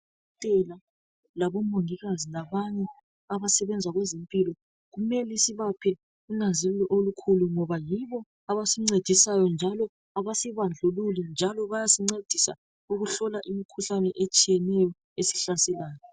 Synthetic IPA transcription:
tʼɛla | laβɔmoŋiɣazinaβaɲɛ | aβasɛβɛnd͡zʱaɣwɛzempʼilɔ | ɣumɛlisiβapʰɛ | unazilɛlɔʔolukʰuluŋɔβajiβɔ | aβasiŋ͡ǀed̥ʱisajɔnd͡ʒʱalɔ | aβasiβand͡ɮʱululɛnd͡ʒʱalɔβajasiŋ͡ǀed̥ʱisa̰ | uɣuɬɔlaʔimikʰuɬanɛʔet͡ʃʼijɛnɛjɔ | esi̥ɬasɛlaːjɔ

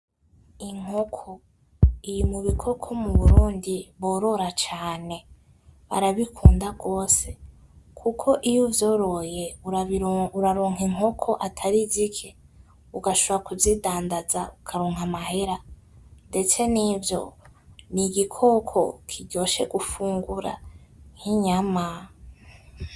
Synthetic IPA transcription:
iŋ̥okʰo | ijimuβikʰo̞kʰo̞muβuɾuːndiβo̞ːɾo̞ɾat͡ʃaːne̞ | βa̰ɾaβikʰuːndaɡo̞ːse̞ | kʰukʰo̞ʔijuvjo̞ːɾo̞je̞uuɾaɾoːŋ̥eŋo̞kʰo̞ʔatʰaɾizikʰe | uɡaʃoβoɾakuzidaːndaza̰ukʰaɾoːŋhamahe̞ɾande̞t͡se̞nivjo̞̰niɡikʰo̞kʰo̞̰kʰiɟo̞ːʃe̞̰ɡufuːŋɡuɾa̰ŋ̥hiɲama

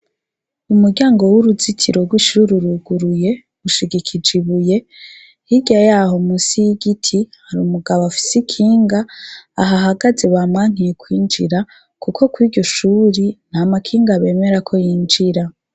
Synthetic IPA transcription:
umuɾɟaːŋɡo̞wuɾuzitʰiɾo̞ɡwiʃuɾiɾuɡuɾuje̞ | uʃiɡikʰid͡ʒiβuje̞ | hiɟajahomusijiɡitʰihaɾuːmuɡaβoafi̥sikʰiːŋɡaːɦaɦaɡazeβaːmŋaŋ̥ijekwiːnd͡ʒiɾa | kukʰo̞kwiːɾɟo̞ʃuːɾin̥hamakʰiːŋɡaβe̞ːme̞ɾakʰo̞jiːnd͡ʒiɾa

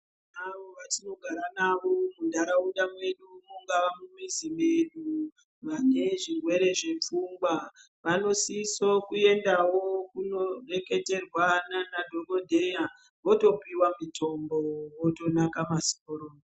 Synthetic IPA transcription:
naʋo̞ʋatino̞ɡʱaɾanaʋo̞mundʱaɾauɗamwe̞ɗumuŋɡaʋamumizime̞ɗu | ʋane̞ʐirwe̞ɾe̞ʐe̞p͡fuːmɡwa | ʋano̞sisokue̞ndawo̞kuno̞re̞ke̞te̞rwananadʱo̞ko̞dʱe̞ja | ʋo̞to̞piwamito̞mbowoto̞nakamasi̥koɾoː

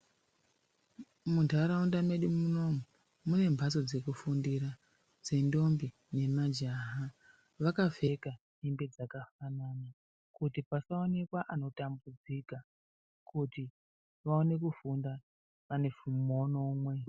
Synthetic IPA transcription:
muntʰaɾaundame̞ɗumuno̞mu | mune̞mbʱaso̞d͡ze̞kufundiɾa | d͡ze̞ndo̞mbi | ne̞mad͡ʒaɦa | ʋakafe̞ka | nimbe̞d͡zakafanana | kutipasao̞ne̞kwaʔano̞tambud͡zika | kuti | ʋao̞ne̞kufunda | ʋane̞fumo̞no̞mwe̞

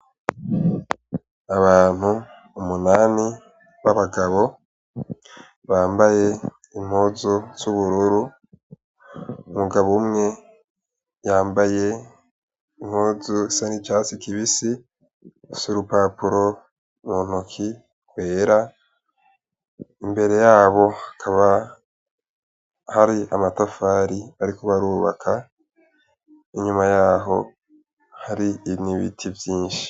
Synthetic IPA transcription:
aβaːn̥huː | munaːni | βaβaɡaβo̞ | βaːmbaje̞ | im̥hoːzuz̥uβuɾuɾu | muɡaβumŋe | jaːmbaje̞ | im̥hoːzuisanit͡ʃaːsikiβisi | suɾupapuɾo̞ | mon̥okʰi | kwe̞ːɾa | imbe̞ɾe̞jaːβo̞hḁkʰaβa | haɾia̰matafaːɾiaɾikoβaɾuːβa̰kʰa | iɲumajaːɦo̞ | haɾiːniβḭtʰivjiːnʃii̥

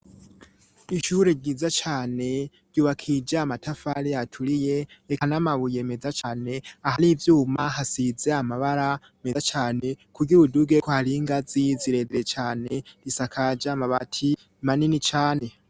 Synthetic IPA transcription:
iʃuːɾe̞ɟiːzat͡ʃaːne̞ | ɟ̥uːβakʰid͡ʒamatʰafaɾeatʰuɾije̞ekanamaβuje̞me̞d͡zat͡ʃaːne̞ahaɾiːvjuːmahasize̞amaβaɾa | met͡ʃaːne̞kʰuɡiβuduɡe̞kohaɾiŋɡaziziɾe̞zet͡ʃaːne̞ɾisakʰad͡ʒamaβatʰi | maninit͡ʃaːne̞

